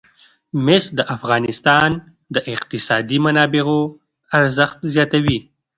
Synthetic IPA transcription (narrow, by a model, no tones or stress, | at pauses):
mɪsd̪əʔafɣɑnɪst̪ɑn | d̪əʔɪqt̪ɪsɑd̪imanɑbɪɣo | aɾzəxt̪zjɑt̪awi